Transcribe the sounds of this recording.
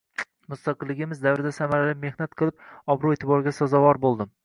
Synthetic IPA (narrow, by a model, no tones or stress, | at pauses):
mʊst̪aqɨlˠːɪɡʲɪmɪzd̪avɾɪd̪asamaɾalɪmːe̞hnat̪̚qʰɨlˠɪp̚ɒbɾʊe̞t̪ʰɪbɒɾɪɡʲasɒzɒvɒɾbolˠd̪ɪm